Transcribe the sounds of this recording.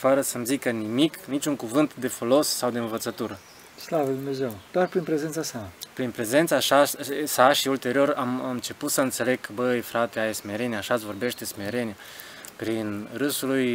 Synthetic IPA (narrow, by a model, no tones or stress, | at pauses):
fəɾəsəmzikənimiknit͡ʃʲuŋkuvɨnt̪d̪e̞fo̞lo̞sːawd̪eɨnvət̪sət̪uɾə | slaved̪umneze̞wd̪̥oarpɾinpɾezent̪sasapɾinpɾe̞ze̞nt̪saːʃasaʃiult̪e̞ɾio̞ɾamɨnt͡ʃe̞put̪səɨnt̪se̞le̞ɡʰbəjfɾat̪eajsme̞ɾenʲjaʃat̪svo̞rbe̞ʃt̪d̪esme̞ɾe̞nʲa | pɾinrɨsuluj